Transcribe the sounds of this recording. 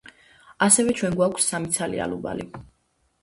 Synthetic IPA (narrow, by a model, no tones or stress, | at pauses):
asɛvɛt͡ʃʰwɛnɡwakʷʰsːamit̪sʰalḭa̰luba̰li